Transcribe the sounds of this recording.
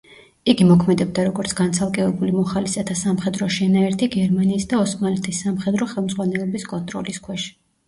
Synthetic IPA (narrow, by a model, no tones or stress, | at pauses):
iɡimɔkʰmɛd̪ɛb̚d̪aɾɔɡɔɾt̪sʰɡ̥ant̪sʰalˠkʼɛvɛbulimɔχalisɛt̪ʰasamχɛd̪ɾɔʃɛnaɛɾt̪ʰiɡɛɾmaniːsd̪aɔsmalɛt̪ʰisːamχɛd̪ɾɔχɛlˠmd̪zʁwanɛlɔbiskʼɔnt̪ʼɾɔliskʰwɛʃ